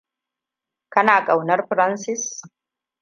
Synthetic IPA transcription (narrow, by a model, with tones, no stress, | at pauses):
kɐ˦naː˨kʼɐ˨wnɐ˦ɾɸɾɐ˦nsɪ˦s